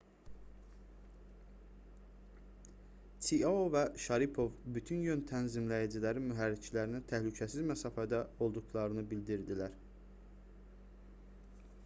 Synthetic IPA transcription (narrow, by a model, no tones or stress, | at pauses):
t͡ʃ̪ʰiɑovæʃɑɾipʰo̞vbyt̪ʰynjønt̪ʰænzimlæjæd͡ʒilæɾimyɦæɾːit͡ʃʰilæɾinit̪ʰæhlycʰæsizmæsɑːfæd̪æo̞lˠd̪uxlˠɑɾɯnɯbild̪iɾd̪ilæɾ